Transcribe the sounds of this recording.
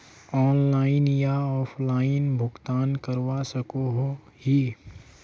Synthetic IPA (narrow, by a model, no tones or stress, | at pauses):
ɔːnlaːɪnjaɔːfʰlaːɪnbʱʊɡt̪aːnkəɾwasɐkoɦo | hi